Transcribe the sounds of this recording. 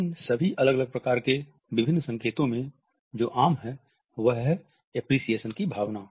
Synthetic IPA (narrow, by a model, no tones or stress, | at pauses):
ɪnsɐbʱiʔɐləɡələɡ̚pɾɐkaːɾke | bɪbʱɪnːsɐ̃ŋkeːt̪õmẽ | d͡ʒoːʔaːmɦɛ | ʋəɦɦ | ɛpɾiːsieːʃənkibʱaːʋnaː